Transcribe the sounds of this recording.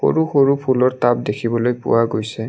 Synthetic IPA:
xo̰ɹuxoɹupʰulɔɹtab̚dekʰibɔlojpʊ̰waɡojsɛ

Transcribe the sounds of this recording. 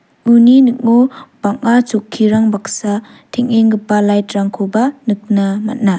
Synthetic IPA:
uninɯk̚nub̥aŋat͡ʃokʰːiɾaŋbaksa | tʰiŋeŋɡɯpːalajtɾaŋkʰobanɯk̚nama̰t̚na

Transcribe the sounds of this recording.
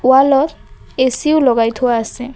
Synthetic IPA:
walɔesiulɔkajt̪ʰuasɪ

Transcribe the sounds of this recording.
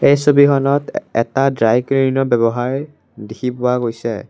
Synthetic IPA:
ejsobikɔnɔtɛ̰tadɹajkɹiɹnɔbɛbɔɦaɹ | dikʰipʊaɡojsɛ̰

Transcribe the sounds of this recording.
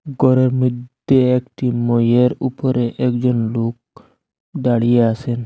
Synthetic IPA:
ɡɔɾɔɾmid̪ | eekʈimɔjeɾupɔɾeʔekd͡ʒɔnlok̚ | daɽijeasen

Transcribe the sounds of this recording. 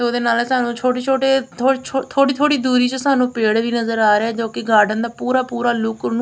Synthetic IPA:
t̪eːoːd̪eːnaːlsaːnũːt͡ʃʰoːʈeːt͡ʃʰoːʈeːt̪ʰoːt͡ʃʰot̪ʰoːɽiːt̪ʰoːɽiːd̪uːɾiːt͡ʃəsaːnũːpeːɽʋiːnəzəɾaːɾeɛːd͡ʒoːkɪɡaːɖənd̪aːpuːɾaːpuːɾaːlʊknũː

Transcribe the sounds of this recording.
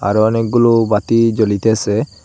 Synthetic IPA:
a̰ɾuɔnek̚ɡulubat̪id͡ʒɔlit̪ese

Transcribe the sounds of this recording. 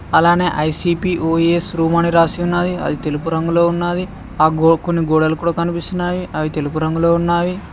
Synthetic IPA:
ɐlaːne̞ːʔɐjsiːpiːʔoːesɾuːmaːniɾaːsiːunːaːd̪iɐ̰d̪it̪e̞lupuɾɐŋɡulo̞ːunːaːd̪i | aːkonːiɡɔːɽɐlɐkuːɽaːkɐnipist̪unaːjiɐʋit̪e̞lupuɾɐŋɡulo̞ːunːaːji

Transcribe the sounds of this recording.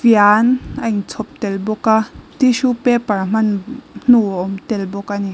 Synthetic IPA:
vianʔaiŋt͡sʰɔp̚t̪ɛlbɔkat̪iʃupɛparm̥ɐnn̥uɔmt̪ɛlbɔkani

